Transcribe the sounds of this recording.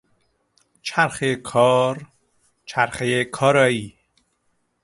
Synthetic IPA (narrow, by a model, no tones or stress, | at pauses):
t͡ʃʰaɾxekʰɒːɾ | t͡ʃʰæɾxejekʰɒːɾɒːiː